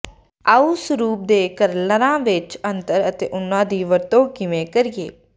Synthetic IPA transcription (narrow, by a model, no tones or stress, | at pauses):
aːuːsʊɾuːp̚d̪eːkəɾləɾãːʋɪt͡ʃənt̪əɾət̪eːʔʊnːãːd̪iːʋəɾt̪õːkɪʋẽːkəɾɪjḛː